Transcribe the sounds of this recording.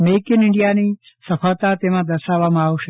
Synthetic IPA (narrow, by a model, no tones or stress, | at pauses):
meːkɪnɪɳɖijaniː | sɐfʰaːt̪at̪emãd̪əɾʃaːʋamãauʃe